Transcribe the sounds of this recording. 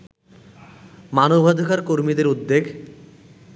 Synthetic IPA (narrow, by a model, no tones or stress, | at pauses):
manobʱad̪ʱokaɾkoɾmid̪eɾud̪ːeɡ